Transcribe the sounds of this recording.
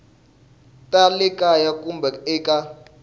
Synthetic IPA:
tʼalɛkʼajakʼumbʱɛɛːkʼa

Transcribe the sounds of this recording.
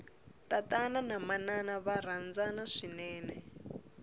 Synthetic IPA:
tatananamananaβaɾ̤and͡zanaʂinɛːnɛ

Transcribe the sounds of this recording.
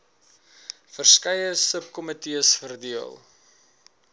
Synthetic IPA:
fərskɐjəsəp̚kɔmətiəsfərdiəlˠ

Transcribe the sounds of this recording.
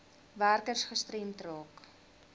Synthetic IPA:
værkərsχəstremtrɑːk

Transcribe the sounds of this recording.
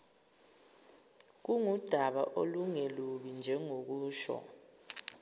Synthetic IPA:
k̬uŋud̥ʱaɓaʔoluŋeluɓind͡ʒʱɛŋok̬uːʃɔ̰

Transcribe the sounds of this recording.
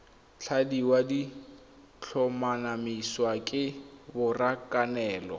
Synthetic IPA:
t͡ɬʰadiwadi | t͡ɬʰɔmanamiswakʼɪbʊrakʼanɛːlɔ

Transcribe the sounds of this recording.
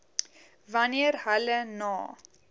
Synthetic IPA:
vɐniərhɐlənɔː

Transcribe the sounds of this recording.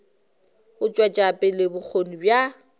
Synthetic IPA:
hʊt͡ʃʼwat͡ʃʼapʼɪlɪbʊk͡xʰon̩bja

